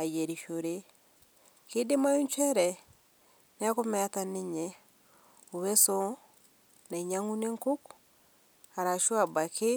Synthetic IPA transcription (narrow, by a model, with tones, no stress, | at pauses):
a˨jɛ˨ɾi˨ʃoɾe˦ | ke˦de˦ma˦jo˦ɲt͡ʃɛ˦ɾɛ | nɛ˦komɛatane˦ɲɛ | o˨βɛ˦sɔ˦ | na˨i˨ɲaŋu˦ne˦ŋko˦k | a˨ɾa˨ʃwa˨ba˨kʰe˦